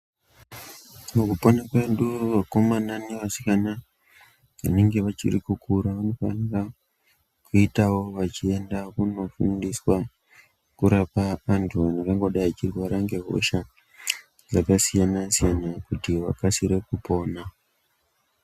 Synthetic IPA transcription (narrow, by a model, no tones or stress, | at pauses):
okuponakweɗuʋako̞mananeʋasi̥kana | ʋa̰ne̞ŋɡe̞ʋat͡ʃḭrḭkukʰuɾaʋano̞fa̰nira | kuitawo̞ʋat͡ʃie̞ndakuno̞fṵndiswa | kuɾapaʋantʰuʋaneŋaŋɡo̞ɗajat͡ʃirwaɾaŋɡe̞ɦo̞̰ʃa | d͡zakasijanasijanakutiʋa̰kasiɾe̞kupo̞ːna